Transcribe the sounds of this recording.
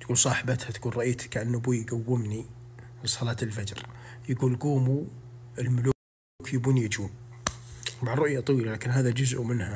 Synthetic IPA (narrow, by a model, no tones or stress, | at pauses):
t̪ɡuːlsˤɑːħbat̪hat̪ɡuːnɾˤɑʔiːt̪kaʕanːʊbuːjɡawːɪmnisˤɑlɑːt̪ɪlfad͡ʒɾjaɡuːlɡuːmu | ɪlmʊlu | kjɪbuːnjad͡ʒuːm | maʕrɾːˤʊʔjat̪ˤwiːlalaːkɪnɦaːðad͡ʒʊzʔumɪnha